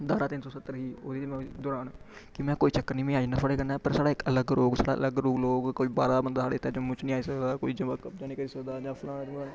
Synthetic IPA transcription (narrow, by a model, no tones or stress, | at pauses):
d̪aːɾaːt̪ɪnsɔːsət̪ːəɾɦiːoːdiːmɛ̃ːd̪oːɾaːnɛ | kɪmɛ̃ːkoːiːt͡ʃəkːəɾnĩːmẽːaːiːnapʰəɽeːkənaːpəɾsaːɽaːɪkələɡɾoːɡsaːɽa̰ːʔə̰ləɡɾoːɡloːɡkoːiːbaːɾaːbənd̪aːsaːɽet̪ʰːaːd͡ʒoːmʊt͡ʃnĩːaːiːsəkd̪aːkoːiːd͡ʒəʋaːkəpd͡ʒãːniːkəɾiːsəkd̪aːd͡ʒãːpʰlãːad͡ʒaː